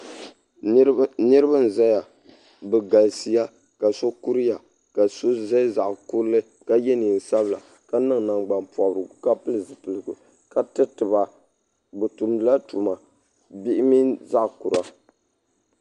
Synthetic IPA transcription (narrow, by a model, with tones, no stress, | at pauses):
nɨ˦ɾɨ˦ba˦n˨za˦ja˨ | bɨ˨ɡa˨lsi˦ja˦ | ka˨so˦ku˦ɾi˦ja˨ | ka˨so˦za˦za˨ʔʊ˨ku˦lɨ˦ | ka˦jɛ˦ni˨n̩˨sa˦bla̰˨ | ka˦nɨ˦ŋ˨na˨ŋɡ͡ba˨npɔ˨ʔʊ˨ɾɨ˨ɡka˦pɨ˦lɨ˨zɨ˨pɨ˨lɨ˨ɡu˨ | ka˨tɨ˦tɨ˨ba˨ | bɨ˨tu˨mdɨ˨la˦tu˨ma˨ | bi˦ʔɪ˦mi˦nza˦ʔku˨ɾa˨